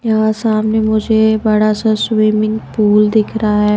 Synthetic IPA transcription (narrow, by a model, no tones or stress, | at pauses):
jɐɦãsaːmnemʊd͡ʒʱebɐɽasaswiːmɪ̃ŋɡpuːld̪ɪkʰɾaaɦɛː